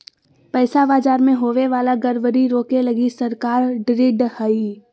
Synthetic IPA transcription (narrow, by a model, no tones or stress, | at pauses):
pɛɪsabaːd͡ʒaːɾmẽɦoːʋeʋaːlaɡɐɾʋəɾiɾoːkelɐɡisɐɾkaːɾɖɾɪɖhəi